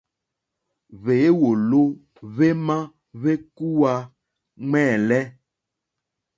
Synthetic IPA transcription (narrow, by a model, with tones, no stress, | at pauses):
βe˨˦wo˨lo˦ | βe˦mã˦ | βe˦ku˦wa˨ | ŋ͡mɛ̃˦˨lɛ˦